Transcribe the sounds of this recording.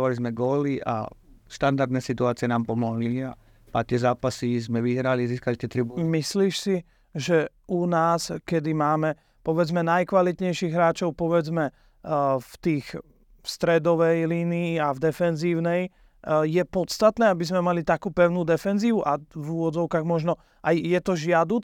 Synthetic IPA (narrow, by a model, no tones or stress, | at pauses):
ʋalizmɛɡɔːliʔa̰ʃt̪and̪aɾd̪nɛsit̪uaːt͡siɪɛnaːmpɔmɔɦlia | pat̪ɪɛzaːpasizmɛʋiɦɾaliziːskalit̪ɪɛt̪ɾimisliːʃsi | ʒɛʔunaːskɛd̪imaːmɛ | pɔʋɛd͡zmɛnajkʋalit̪ɲɛjʃiɣɦɾaːt͡ʃɔʊpɔʋɛd͡zmɛ | ft̪iːx | st̪ɾɛd̪ɔʋɛjliːniːavd̪ɛfɛnziːʊnɛj | jɛpɔt̪st̪at̪nɛːabizmɛmalit̪akuːpɛʊnuːd̪ɛfɛnziːuʔavuʋɔd͡zɔʊkaːɣmɔʒnɔ | ʔajjɛt̪ɔʒɪad̪uːt͡s